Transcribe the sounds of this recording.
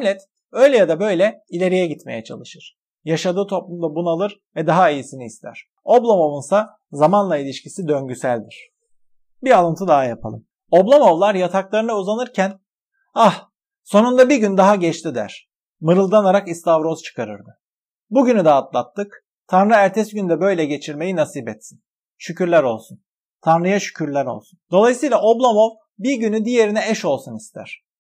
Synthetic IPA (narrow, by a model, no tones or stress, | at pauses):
ɛmlʲɛt̪ | ø̞jlʲɛjad̪abø̞jlʲɛilʲe̞ɾijɛɟit̪mejɛt͡ʃʰa̰lˠɯʃɯɾ̥ | jaʃad̪ɯːt̪ʰo̞plˠumd̪abunaalˠɯɾ | vɛd̪aɦaijisiniːst̪ʰæ̰ɾ̥ | o̞blˠamo̞vunsa | zamanlˠailʲiʃcisid̪ø̞ɲɟysælʲd̪iɾ̝̥ | bialˠɯnt̪ʰɯd̪aɦajapʰa̰lˠɯm | o̞blˠomo̞vlˠaɾjat̪ʰaklˠaɾɯnɯuzanɯɾcʰæn | ah | so̞nund̪abiɾɟynd̪aɦaɟɛt͡ʃt̪ʰid̪æ̰ɾ̥ | mɯɾɯlˠd̪anaɾakist̪avɾo̞zt͡ʃʰɯ̥kʰaɾɯ̰ɾd̪ɯ | buɟynyd̪aːt̪lˠat̪ʰːɯk | t̪ʰanɾɯæɾt̪ʰɛsɟynd̪ɛbø̞jlʲɛɟe̞t͡ʃʰiɾme̞jinasiːbɛt̪sin | ʃycyɾlʲæɾo̞̰lˠsun | t̪ʰanɾɯjaʃy̥cʰyɾlʲæɾo̞̰lˠsund̪o̞lˠajɯsɯjlˠaʔo̞blˠamo̞v | biɾɟynyd̪ije̞ɾinɛɛʃo̞lˠsunist̪ʰæ̰ɾ̥